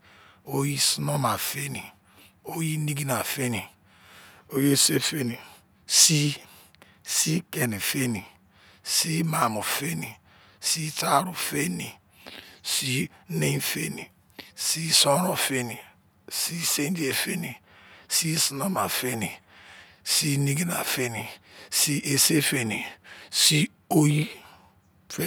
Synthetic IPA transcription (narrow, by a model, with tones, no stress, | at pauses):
o˦ji˦si˦no˦ma˨fe˦ni˨ | o˦ji˦ni˦ɡi˦na˨fe˦ni˨ | o˦je˦se˦fe˦ni˨ | si˦ | si˦ke˨ne˨fe˦ni˨ | si˦ma˨mu˨fe˦ni˨ | si˦ta˦ɾu˨fe˦ni˨ | si˦ne˦fe˦ni˨ | si˦so˦ɾo˨fe˦ni˨ | si˦se˦n˦di˦e˨fe˦ni˨si˦si˨no˦ma˨fe˦ni˨ | si˦ni˦ɡi˦na̰˨fe˦ni˨si˦ʔe˦se˦fe˦ni˨si˦ | o˦ji˦ | fe˦